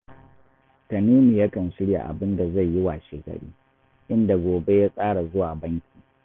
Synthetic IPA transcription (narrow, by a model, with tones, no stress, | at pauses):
tɐ˨niː˦mi˨ja˦kɐ˨nsɪ˦ɽja̰˨ʔa̰˨bɪ˦nda˨za˦˨jːɪ˦wa˨ʃeː˨kɐ̰˨ɽḭː˦ | ʔɪ˦nda˨ɡʷoː˨be˦jaː˦sʼaː˦ɽa˨zʊ˦waː˨bɐ˦ŋkʲi̥ː˨